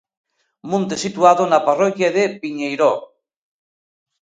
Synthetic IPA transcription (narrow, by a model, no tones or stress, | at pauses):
mõnt̪esit̪uaðonaparɔkjaðepiɲejɾo